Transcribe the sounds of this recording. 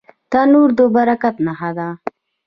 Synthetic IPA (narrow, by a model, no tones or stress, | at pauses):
t̪anuɾd̪əbaɾakat̪naɦad̪a